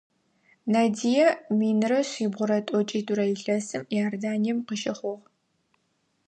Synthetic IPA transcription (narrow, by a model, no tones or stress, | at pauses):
naːdijɐmiːnɨrɐɕiːbʁʷʊɾɐtʼɔt͡ʃʼiːtʰʼuɾɐjiɬɐsɨmjaːrdaːnijɛmqəʃɐχʷʊʁ